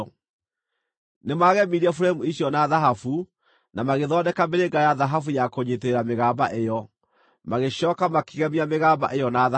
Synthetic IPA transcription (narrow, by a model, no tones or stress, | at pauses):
nemaɣɛmiɾiɛfuɾaimuiɕiɔnaðaɦafu | namaɣeðɔdɛkameɾeŋɡajaðaɦafujakoɲeteɾameɣaːbaʔejɔ | maɣeɕɔːkamakiɣɛmiameɣaːba̰ʔejɔnaða